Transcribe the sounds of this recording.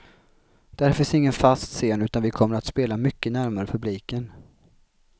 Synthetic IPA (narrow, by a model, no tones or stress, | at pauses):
d̪̥æɾfɪnsɪŋːənfast̪seːnʉ̟ːt̪anvɪkʰɔmːəɾat̪speːlamʏkːənæɾmaɾəpʰɵbliːkən